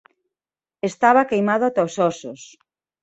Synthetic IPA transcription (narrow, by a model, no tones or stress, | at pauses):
est̪aβakejmaðʊat̪aosɔsos